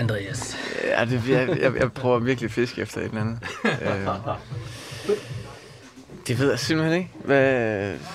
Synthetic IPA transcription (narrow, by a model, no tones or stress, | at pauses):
ænd̥ʁeæsæ̰d̥e̝jɑjɑ̈ɪjɑ̈ɪpʰʁœʊɐʋiɐɡ̥lifisɡ̥əefd̥ɐe̝d̥lænð̩ˠø | d̥e̝ʋe̝ð̞̰ˠjasim̰̥l̩hene̝ɡəʋæ